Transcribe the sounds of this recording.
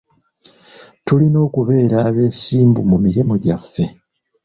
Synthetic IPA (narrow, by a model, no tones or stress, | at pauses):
tulino̞ːkuβe̞ːɾaːβe̞ːsiːmbumumiɾimuɟafːe̞